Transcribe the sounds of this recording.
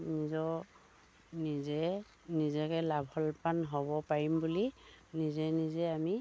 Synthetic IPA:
nizɔ | nizɛ | nizɛkɛlabʱhɔlpanɦɔβɔpaɹimbulinizɛnizɛami

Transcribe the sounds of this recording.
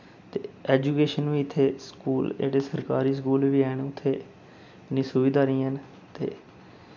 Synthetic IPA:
t̪eːɛːd͡ʒuːkeːʃənʋiːɪt̪ʰːeːskuːld͡ʒḛːɽeːsəɾka̰ːɾiːs̬kuːlʋiːɛːɳʊt̪ʰːeː | ɪnːĩːsʊʋiːd̪aːɾĩːɦən | t̪ḛː

